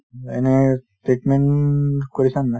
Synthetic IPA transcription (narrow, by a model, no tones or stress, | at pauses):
ḛne | ʈeːʈmẽɳkoɾisanːã